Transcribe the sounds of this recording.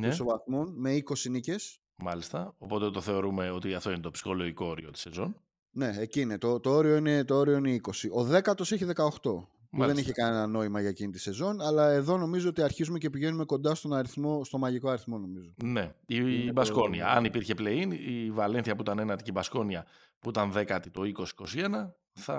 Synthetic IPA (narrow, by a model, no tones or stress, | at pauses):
nesovɐθmonme̞iko̞sinice̞s | mɐlist̪ɐo̞po̞t̪et̪o̞θe̞o̞ɾume̞o̞t̪iɐft̪o̞inet̪o̞psi̥xo̞lo̞ʝiko̞oɾio̞t̪i̥se̞zo̞n | ne̞ecinet̪o̞t̪oo̞ɾio̞ine̞t̪oo̞ɾio̞ineiko̞siʔo̞ðe̞kɐt̪o̞se̞çiðe̞kɐoxt̪o̞ | muðe̞niçekɐne̞nɐno̞imɐʝɐecinit̪i̥se̞zo̞nɐlɐe̞ðo̞no̞mizo̞ot̪iɐɾçizume̞ce̞piʝe̞nume̞ko̞nd̪ɐst̪o̞nɐɾiθmo̞st̪o̞mɐʝiko̞ɐɾiθmo̞no̞mizone̞ibɐsko̞niɐ̰ɐnipiɾçe̞ple̞inivɐle̞nθiɐpuit̪ɐne̞nɐt̪icibɐsko̞niɐ | puit̪ɐnðe̞kɐt̪it̪o̞iko̞si̥ko̞sie̞nɐ | θɐ̰